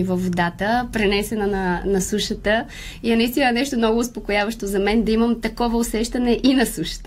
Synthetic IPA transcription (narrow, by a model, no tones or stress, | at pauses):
vɐvːod̪at̪əpɾɛnɛsɛnɐnɐnɐsuʃət̪ə | inɐist̪inɐnɛʃt̪omnɔɡʊːspokojavɐʃt̪ozɐmɛnd̪ɐimɐmt̪ɐkɔvɐʊsɛʃt̪ɐnɛʔinɐsuʃə̥t̪